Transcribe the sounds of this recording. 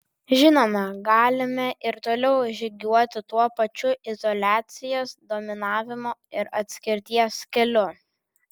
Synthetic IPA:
ʒʲɪnoːmɐɡɑːlʲɪmʲɛʔɪɾt̪oːlʲɛʊʒʲɪɡʲuɔt̪ʲɪt̪uɔpɐt͡ʃʲʊʔɪzɔlʲæːt̪sʲɪjɛsd̪oːmʲɪnɑːʋʲɪmoːɪɾɐt̪ʲsʲkʲɪɾʲt̪ʲiɛskʲɛlʲʊ

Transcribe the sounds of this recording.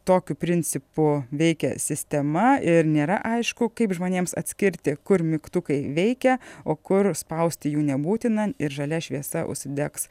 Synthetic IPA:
t̪oːkʲʊpʲɾʲɪnʲt͡s̪ʲɪpʊʋʲɛɪkʲɛ̰sʲɪsʲt̪ʲɛmɐɪɾnʲeːɾɐ̰ʔɐɪʃkʊkɐɪpʒmoːnʲeːmsɐ̰t̪ʲsʲkʲɪɾʲt̪ʲɪkʊɾmʲɪkt̪ʊkɐɪʋʲɛɪkʲɛoːkʊɾspɐʊsʲt̪ʲɪjuːnʲɛbuːt̪ʲɪnɐnɪɾʒɐlʲɛʃʲʋʲiɛsɐʔʊ̰ʃʲsʲɪd̪ʲɛks

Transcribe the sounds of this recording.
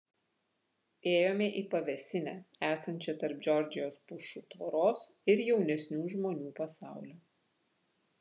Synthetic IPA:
eːjoːmʲɛʔiːpɐʋʲɛsʲɪnʲæːæːsɐnʲt͡ʃʲɛt̪ɐɾpd͡ʒʲɔɾʲd͡ʒʲɪjoːspʊʃuːt̪ʋɐɾoːs | ɪɾjɛʊnʲɛsʲnʲuːʒmoːnʲuːpɐsɑˑʊlʲoː

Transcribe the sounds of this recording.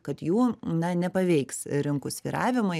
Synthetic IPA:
kɐt̪juːnɐnʲɛpɐʋʲɛɪksɾʲɪŋkʊsʲʋʲiːɾɑːʋʲɪmʊɪ

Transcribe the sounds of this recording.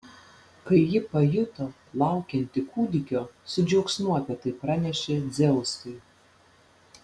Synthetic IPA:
kɐɪjɪpɐjʊt̪o | lˠɑˑʊkʲɛnʲt̪ʲɪkuːd̪ʲɪkʲoːsʊd͡ʒʲɛʊksnuɔpʲɛt̪ɐɪpɾɑnʲɛʃʲed̪zʲɛʊskɐɪ

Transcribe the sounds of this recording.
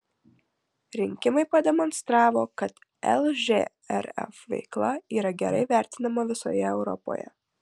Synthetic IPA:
ɾʲɪŋʲkʲɪmɐɪpɐd̪ʲɛmɔnst̪ɾɑːʋoːkɐt̪ | ɛ̰lˠʒʲḛ | ɛɾɛ̰fʋʲɛ̰ɪklˠɐiːɾɐɡʲɛɾɐɪʋʲæˑɾʲt̪ʲɪnɐmɐʋʲɪso̰ːjɛɛʊɾɔ̰po̰ːjɛ̰

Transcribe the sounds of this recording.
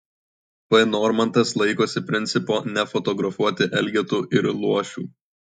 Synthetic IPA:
pɐɪnɔːɾmɐnt̪ɐslˠɐɪkoːsʲɪpʲɾʲɪnʲt̪sʲɪpoːnʲɛfɔt̪ɔɡɾɐfuɔt̪ʲɪʔɛlʲɡʲɛt̪uːʔɪɾlˠuɔʃʲṵː

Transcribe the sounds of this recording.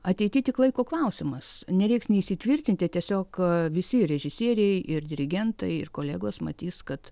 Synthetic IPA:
ɐt̪ʲɛɪtʲɪt̪ʲɪklˠɐɪkoːklˠɐʊsʲɪmɐsnʲɛɾʲɛɪksnʲɛɪsʲɪt̪ʲʋʲɪrʲt̪ʲɪnt̪ʲɪtʲiɛsʲoːkʋʲɪsʲɪɾʲɛʒʲɪsʲiɛɾʲɛɪʔɪrd̪ʲɪɾʲɪɡʲɛnt̪ɐɪɪrkoːlʲɛːɡoːsmɐ̰t̪ʲiːskɐt̪

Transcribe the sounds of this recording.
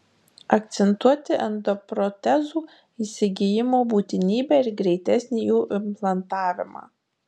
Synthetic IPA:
ɐkt̪sʲɛnt̪uɔt̪ʲɪʔɐnd̪ɔpɾɔt̪ʲɛzuː | iːsʲɪɡʲɪjɪmoːbuːt̪ʲɪnʲiːbʲæɪɾɡɾʲɛɪt̪ʲɛsʲnʲijuːʔɪmplˠɐnt̪ɑːʋʲɪmɑ̰ː

